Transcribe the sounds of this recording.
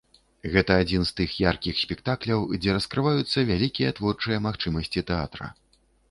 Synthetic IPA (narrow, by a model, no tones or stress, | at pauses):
ɣɛt̪ɐːd͡zʲinst̪ɨxjarkʲixsʲpʲɛkt̪aklʲɐwd͡zʲɛɾɐskɾɨvajut̪sːɐvʲalʲikʲijɐt̪vɔrt͡ʂɨjɐmaxt͡ʂɨmɐsʲt͡sʲit̪ɛat̪ɾɐ̰